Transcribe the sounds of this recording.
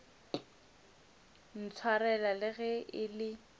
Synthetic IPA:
n̩t͡sʰwarɛlalɪɣɛʔɪlɪ

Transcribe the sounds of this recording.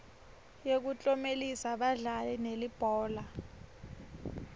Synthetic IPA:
jek̬ut͡ɬʼɔmelisaɓaɮalɛnelib̥ʱɔːla

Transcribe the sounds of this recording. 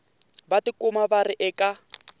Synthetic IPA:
batɪkʊmabarɪʔɛːkʼa

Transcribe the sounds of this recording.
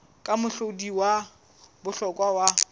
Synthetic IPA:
kʼamʊɬodiwa | bʊɬɔkʼwawa

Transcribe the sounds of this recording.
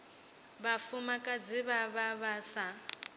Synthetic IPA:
βafumakʼad͡ziβaβaβasa

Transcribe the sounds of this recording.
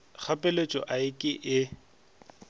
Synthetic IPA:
k͡xʰapʼɪlet͡ʃʼɔ̰ʔaɪkʼɪʔɪ

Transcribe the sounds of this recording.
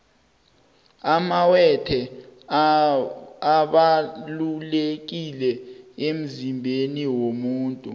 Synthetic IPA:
amawɛtʰɛ | aɓalulek̬ilɛem̩zimbʱeniwomuːntʼu

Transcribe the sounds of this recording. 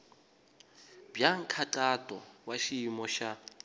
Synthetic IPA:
bjaŋ̩kʰaǃatʼɔwaʃiːmɔʃa

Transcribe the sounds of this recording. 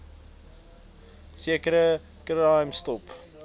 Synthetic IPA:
siəkəɾə | kɾaɑjmstɔp

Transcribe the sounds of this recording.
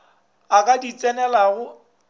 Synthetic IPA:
akʼadit͡sʼɛnɛlaɣʊ

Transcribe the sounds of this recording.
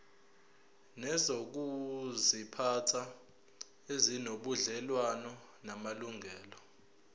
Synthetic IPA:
nɛzok̬uzipʰatʰa | ezinoɓuɮɛlwanɔ | namaluŋʱɛːlɔ

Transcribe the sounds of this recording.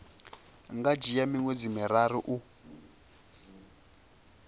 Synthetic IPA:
ŋɡad͡ʒijamiŋwed͡zimiɾaɾiʔu

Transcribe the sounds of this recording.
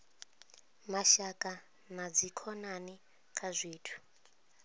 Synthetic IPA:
maʃakʼa | mad͡zikʰɔnani | kʰazʷiːtʰu̥

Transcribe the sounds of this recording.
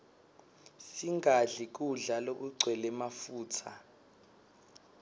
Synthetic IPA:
siŋɡʱaɮik̬ʼuɮalok̬uǀʱwɛlɛmafuːtʰa

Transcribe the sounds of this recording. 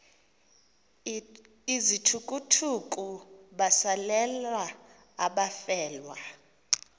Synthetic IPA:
izitʰukʼutʰukʼuɓasalɛla | aɓafɛːlwa

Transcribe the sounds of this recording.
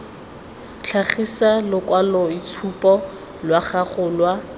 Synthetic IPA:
ɬʰaχisalʊkʼwalɔit͡sʰupʼɔ | lwaχaχʊlwa

